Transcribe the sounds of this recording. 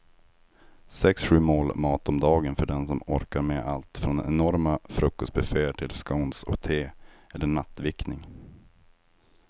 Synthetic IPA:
sɛksɧʉ̟ːmoːlmɑːt̪ɔmd̪ɑːɡənfœɖɛnsɔmɔɾkaɾmɛʔalt̪fɾɔnɛnɔɾmafɾɵkːɔst̪̚bɛfeːəʈʰɪlskaʊnsɔ̰kt̪ʰeːɛlːəɳat̪ːvɪknɪŋ

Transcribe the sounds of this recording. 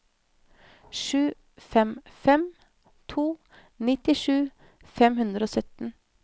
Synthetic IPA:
ʃʉː | fɛmfɛm | t̪ʰuː | nɪt̪ɪʃʉː | fɛmhʉnd̪ɾəoːsœt̪n̩

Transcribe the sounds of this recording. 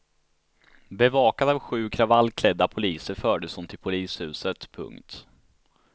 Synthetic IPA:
bɛvɑːkad̪avɧʉ̟ːkʰɾavalːkʰlɛd̪ːapʰʊliːsəɾfœːɖəshʊmt̪ʰɪlpʰʊliːshʉ̟ːsət̪pʰɵ̰ŋkt̪

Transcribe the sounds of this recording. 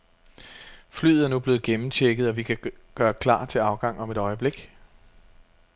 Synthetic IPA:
fly̰ð̩ˠæɐnub̥le̝ːð̩ˠɡ̥emm̩t͡ɕʰeɡ̥ð̩ˠɒ̽ʋikʰæɡ̥ɶːɐkʰlɑ̰̈ːt͡sʰe̝lɑ̈ʊɡ̥ɑ̈ŋ̰ɒ̽me̝ɾɒ̽ɪəb̥le̝ɡ̥

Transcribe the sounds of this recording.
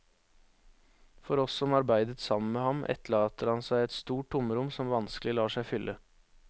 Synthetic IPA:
fɔɾɔsːɔmɑɾbæɪd̪ət̪sɑmən̩meːhɑmʔɛ̰t̪lɑːt̪əɾhɑnsæɪɛt̪st̪uːʈ̚dʊməɾʊmsɔmʋɑnsklɪlɑːʂæɪfʏlʔə

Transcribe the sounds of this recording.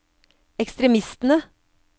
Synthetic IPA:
ɛkst̪ɾɛmɪst̪n̩ə

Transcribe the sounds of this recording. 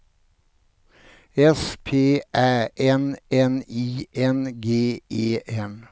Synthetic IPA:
ɛspʰeːʔæːʔɛnɛniːʔɛnɡeːeːɛn

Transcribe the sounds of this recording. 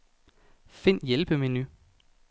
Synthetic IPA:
fe̝n̰jelb̥əmeny

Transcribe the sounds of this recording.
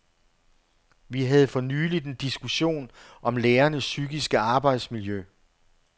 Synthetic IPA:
ʋiɦæð̞̩ˠfɒ̽nyːlid̥end̥isɡ̥uɕo̝̰ːnʔɒ̽mleːɐnəsːyɡ̥isɡ̥əɑ̈ːb̥ɑ̈ɪd̥smiljø

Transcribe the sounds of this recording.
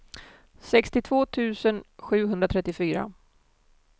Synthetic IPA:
sɛkst̪ɪt̪ʰvoːt̪ʰʉ̟ːsənɧʉ̟ːɦɵnd̪ɾat̪ʰɾɛt̪ːɪfyːɾa̰

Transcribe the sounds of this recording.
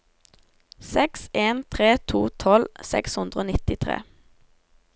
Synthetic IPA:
sɛkseːnt̪ʰʁeːt̪ʰuːt̪ʰɔlsɛ̰kshʉnd̪ʁəoːnɪt̪ɪt̪ʰʁḛː

